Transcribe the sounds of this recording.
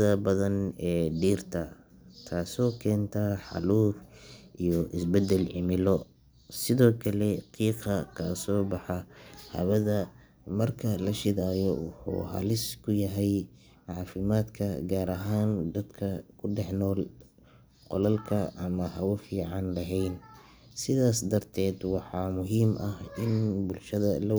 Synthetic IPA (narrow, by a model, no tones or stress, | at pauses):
ðɐbɐðɐnɛːɖiːrt̪ʰɐ | t̪ʰaːsɔːkʰɛːnt̪ʰɐħɑ̰luːfʔijɔʔɪsbɛd̪ɛlʕɪmɪlɔ | sɪðɔːkʰɐlɛqʰiːqɑkʰɐ̰ːsɔːbɑħɑhɐ̰βɐðɐ | mɐrkʰɐlɐʃɪðaːjɔwʊħṵːɦɐ̰lɪskʰʊjɐɦɛj | ʕɑːfɪmaːd̪kʰɐɡaːɾɐɦaːnd̪ɐd̪kʰɐkʰʊɖɛħnɔːl | qɔlɐlkʰɐʔɐmɐhɐwʊfiːʕɑnlɐɦɛjn | sɪðaːsd̪ɐrt̪ʰɛːd̪wɑħɑːmʊɦiːmʔɐhɪnbʊlʃɐðɐlɐ